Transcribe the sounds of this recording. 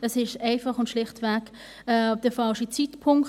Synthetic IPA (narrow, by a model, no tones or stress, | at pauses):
ɛsɪʃɛɪfɑχʊntʃlɪχtvɛk | ɛd̥əfɑlʃit͡sitpʰʊŋk